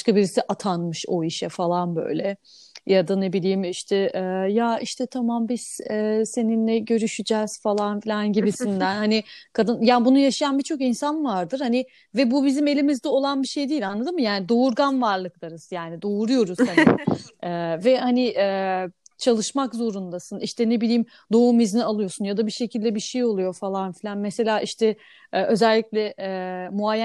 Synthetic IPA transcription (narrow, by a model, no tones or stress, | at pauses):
aʃkabiɾisiʔat̪ʰanmɯʃo̞̰iʃɛfalˠanbø̞̰jlʲɛ | jad̪ane̞bilʲiːmiʃt̪ʰɛɛːjaiʃt̪ʰɛt̪ʰamambiz̥ɛːse̞ninlʲɛɟø̞ɾyʃyd͡ʒɛz̥falˠanfilʲanɟibisind̪ænhanɪkʰad̪ɯnjaːbunujaʃajanbit͡ʃʰo̞kinsanvaɾd̪ɯɾ̥hanɪ | vɛbubizime̞lʲimizd̪ɛo̞lˠanbiʃe̞jd̪iːilʲanlˠad̪ɯmːɯjaːnid̪o̞uɾɡanvaɾlˠɯklˠaɾɯz̥jaːnid̪o̞uɾujo̞ɾuz̥han̰ | ɛːvɛhaniʔɛːt͡ʃʰalˠɯʃmakzo̞ɾund̪asɯniʃt̪ʰɛne̞bilʲiːm | d̪o̞umiznialˠɯjo̞sunjad̪abiɾʃe̞cʰilʲd̪ɛbiɾʃejo̞lˠujo̞falˠanfilʲanmese̞lʲaːʔiʃt̪ʰɛ | ɛːʔø̞zælʲːiclʲɛmuaj